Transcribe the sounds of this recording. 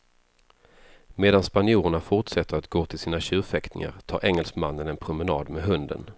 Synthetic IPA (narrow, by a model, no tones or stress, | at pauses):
meːd̪anspanjuːɾəɳafʊʈʂɛt̪ːəɾat̪ɡoːt̪ʰɪlsiːnaɕʉ̟ːfɛkt̪ɪ̰ŋa̰ɾt̪ʰɑ̰ːɾʔɛŋːɛlsmanːənɛnpʰɾʊmɛnɑ̰ːd̪mɛɦɵnd̪ə̰n